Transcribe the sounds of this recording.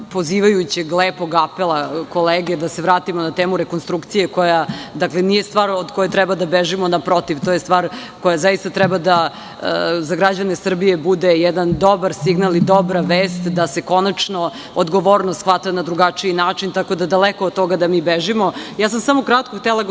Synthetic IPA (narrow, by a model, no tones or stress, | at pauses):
poziːʋajut͡ɕeɡlˠeːpo̞ɡapelˠako̞leːɡed̪aseʋɾaːt̪imonat̪eːmuɾekonst̪ɾukt̪sije̞kojad̪aklenije̞st̪ʋaːɾod̪kojet̪ɾɛbad̪abeʒimonapɾo̞t̪iʋt̪ojest̪ʋaːɾ | kojazaist̪at̪ɾɛbad̪a | zaɡɾad͡ʑanesr̩bijebud̪ejɛd̪and̪obaɾsiɡnalid̪o̞bɾaʋeːst̪d̪ase̞ko̞nat͡ʂno | od̪ɡo̞ʋoːɾnosxʋat̪anad̪ɾuɡat͡ʂiinaːt͡ʃint̪ako̞d̪ad̪alekood̪̚t̪o̞ɡad̪amiːbeʒimojaːsamsamo̞kɾat̪̚koxt̪elˠa